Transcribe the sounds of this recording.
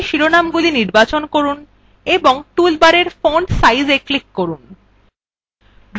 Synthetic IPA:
ʃiɾonamɡuliniɾbat͡ɕonkoɾun | eboŋʈulbaɾeɾfoɳɖsajzeklikːoɾun | ɾ

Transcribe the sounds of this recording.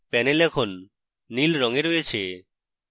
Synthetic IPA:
pɛnelɛkʰonː | ilɾɔŋeɾojet͡ɕʰe

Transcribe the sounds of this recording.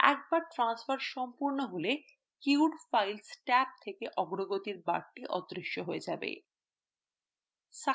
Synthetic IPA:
ɛ̰k̚baɾʈɾansfaɾʃɔmpuɾnoɦole | kiwɖfajlsʈɛp̚t̪ʰekeʔɔɡɾoɡot̪iɾbaɾʈiʔɔ̰d̪ɾiʃːoɦoed͡ʑabḛ | ʃa

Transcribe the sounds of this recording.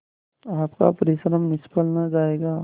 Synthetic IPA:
aːpka̰pəɾesɾəmːɪspəlnad͡ʒaːeːɡaː

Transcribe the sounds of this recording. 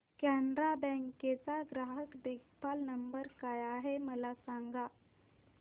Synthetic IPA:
kɛnɾabɛ̃ŋket͡saɡɾaɦəkd̪eɡpalnəmbəɾkajaɦeməlasaŋɡa

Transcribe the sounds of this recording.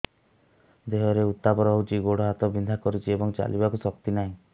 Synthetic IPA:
d̪eɦɔɾeut̪ːapɔɾɔɦout͡ʃʰiɡoɽɔɦat̪ɔbind̪ʱakɔɾut͡ʃʰiebɔŋt͡ʃa̰lʔibakusɔk̚t̪inaɦĩ

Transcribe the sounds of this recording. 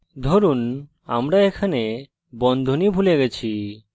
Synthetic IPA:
d̪ʱoɾun | amɾaekʰane | bɔnd̪ʱonibʱuleɡɛt͡ɕʰi

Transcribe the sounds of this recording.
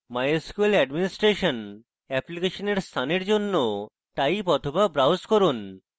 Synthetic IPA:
majskuelɛɖminisʈɾeɕɔn | ɛplikeɕɔneɾst̪ʰaneɾd͡ʑonːo | t̪aipɔt̪ʰobabɾawskɔɾun

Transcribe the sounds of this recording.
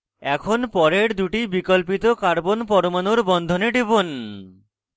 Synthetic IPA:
ɛkʰonpɔɾeɾd̪uʈibikolp̬it̪okaɾbonpɔɾomanoɾbɔnd̪ʱoneɖebon

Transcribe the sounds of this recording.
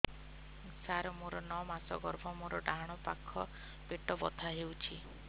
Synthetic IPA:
saɾɔmoɾɔnɔmasɔɡɔɾbʱɔmoɾɔɖaɽ̃ɔpakʰːɔ | peʈɔbɔt̪ʰaɦewt͡ʃʰi

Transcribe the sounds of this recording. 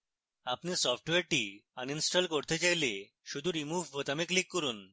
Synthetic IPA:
apnisɔpʰʈweɾʈianinsʈalkoɾt̪et͡ɕajle | ʃud̪ʱuɾimubʱbʱot̪ameklikːɔɾun

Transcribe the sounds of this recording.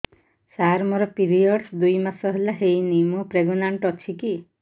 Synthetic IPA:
saɾmɔɾɔpiɾiɔɽsd̪ujmasɔɦelaɦejnimɔpɾeɡɔnaɳʈɔt͡ʃʰiki

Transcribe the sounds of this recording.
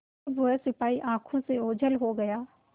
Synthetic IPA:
ʋʊɦesɪpaːiʔãːkʰõseoːd͡ʒʱəlɦoɡɐjaː

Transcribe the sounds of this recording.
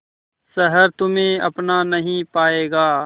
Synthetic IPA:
sɐɦəɾt̪ʊmẽɐ̰pnanɐɦĩpaːeːɡaː

